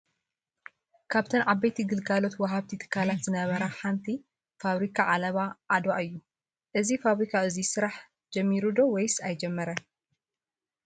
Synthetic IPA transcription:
kʰaβt̪ʰɐnʕaβːɐjt̪ʰiɡɨlɡalo̞t̪wɐɦaβt̪ʰit̪ʰɨ̥kʰːalat̪zɨnɐβɐɾaħant̪ʰi | faβɾikʰaʕalɐβaʔad̪aʔɨjːu | ʔɨzifaβɾikʰaɨzisɨɾaħ | d͡ʒɛmːiɾud̪o̞wɔjsajd͡ʒɛmːɐɾɐ

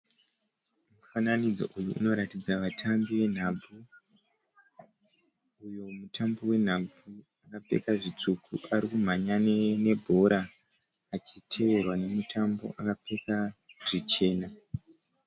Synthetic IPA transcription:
mufananid͡zo̞̰ʔujuʔṵno̞ɾatid͡zaʋatʰambiʋe̞n̤ab͡vu | ujo̞mutʰambowe̞n̤ab͡vu | akap͡fe̞̰kaʐit͡sukʰuʔaɾikum̤aɲanene̞bʱo̞ɾʔaː | t͡ʃitʰe̞ʋe̞rwane̞mutʰambo̞̰ʔakap͡fe̞kaʐ̥it͡ʃe̞ːna

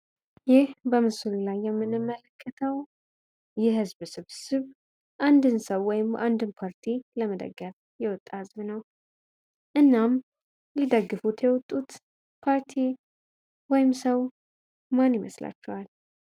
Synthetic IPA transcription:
jɪhbəmɨsullajːɛmːɨnɨmːələkʰːət̪ʰəw | jɛɦɨzβsɨβsɨβ | ʔand̪ɨnsəwːɔjɪmʔa̰nd̪ɨnpʰaɾt̪ʰiləməd̪ə̰ɡːəf | jɛwɔt̪ʼːahɨzbnəw | ʔɨnːam | lid̪əɡːɨfut̪jɛwɔt̪ʼːut̪ | pʰaɾt̪ʰi | wɔjɪmsəw | manjɪmə̰sla̰t͡ʃːɛwal

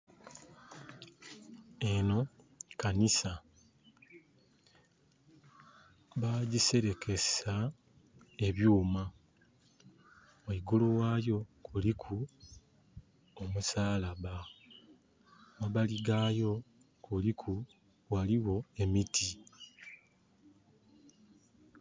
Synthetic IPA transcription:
eno̞ | kanisa | βaɟise̞ɾe̞ke̞sa | e̞βjuːma | oiɡuluwaːjo̞kulikʰu | omusaːlaβa | waβaliɡaːjo̞ | kulikʰu | waliwo̞e̞mitʰi

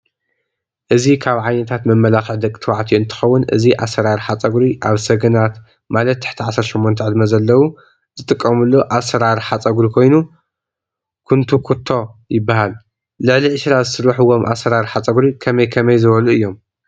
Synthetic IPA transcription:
ʔɨzikʰaβʕajnɐt̪ʰat̪mɐmːɐlaxɨʕd̪ɐkʼit̪ʰɨwaʕt̪ʰiɨnt̪ʰɨ̥xɐwːʊnʔɨ̰ziʔa̰sɐɾaɾħat͡sʼɐɡɾiʔaβsɐɡɐnat̪ | malɐt̪ːʰɨ̥ħt̪ʰiʕasːɐɾʃɛmːont̪ʰɐʕɨd̪mɐzɐlːɐwu | zɨt̪ʼɨkʼːɐmulːoʔasɐɾaɾħat͡sʼɐɡɾikʰo̞jnu | kʰunt̪ʰukʰut̪ʰːo̞jɪbːaɦal | lɨʕliʕɨʃɾazɨsɨɾɐħɨwo̞mʔa̰sɐɾaɾħat͡sʼɐɡɾikʰɐmɐjkʰɐmɐjzɨβɐluɨjːo̞m

